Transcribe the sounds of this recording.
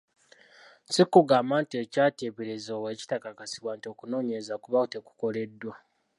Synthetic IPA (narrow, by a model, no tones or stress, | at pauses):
sikuɡaːmaːntiecaːteβeɾezoːweːci̥takakasiβwaːntio̞kuno̞ːɲezakuβaute̞ku̥ko̞le̞dːwa